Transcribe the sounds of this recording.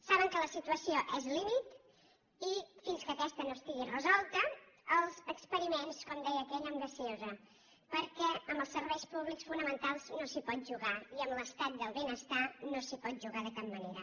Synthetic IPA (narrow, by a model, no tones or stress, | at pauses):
saβəŋkələsit̪uəsioʔɛzlimit̪ | ifinskəːkɛst̪ənost̪iɣirəzɔlˠt̪əːlˠzəkspəɾimenskwand̪ɛjəːkɛʎəmbəsiozə | pəɾkɛəmbəlˠsəɾβɛjspuβliksfunəmənt̪alˠznosipɔt̪̚ʒuɣaiəmləst̪at̪̚d̪əlˠβenəst̪anosipɔt̪̚ʒuɣaðəkap̚məneɾə